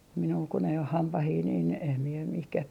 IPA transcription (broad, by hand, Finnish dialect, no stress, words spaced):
minul kun ei oh hɑmpɑhiː niːn em mie mihkæh